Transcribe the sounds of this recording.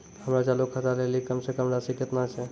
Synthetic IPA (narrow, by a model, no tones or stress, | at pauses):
həmɾat͡ʃalukʰːət̪alelikəmsekəmɾasiket̪nat͡ʃʰe